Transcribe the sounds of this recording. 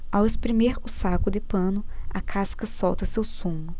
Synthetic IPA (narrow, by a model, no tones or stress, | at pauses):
awespɾimeɾʊsakʊd̪ɪpɐ̃nʊɐ̰kʰaskɐsɔwt̪ɐsewsũmʊ